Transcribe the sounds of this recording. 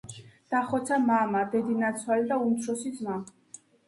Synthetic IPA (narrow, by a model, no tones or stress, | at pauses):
d̪̥aχɔt̪sʰamamad̪ɛd̪inat̪sʰwalid̪aumt̪ʰɾɔsid̪zma